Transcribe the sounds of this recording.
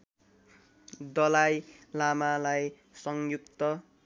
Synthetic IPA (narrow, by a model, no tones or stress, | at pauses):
d̪ʌlajlamalaj | sʌŋjukt̪ʌ